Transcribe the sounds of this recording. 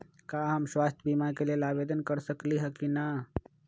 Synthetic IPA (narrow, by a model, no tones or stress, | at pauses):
kaɦəmswast̪ʰəbimakelelabed̪ənkəɾsəkliɦəkina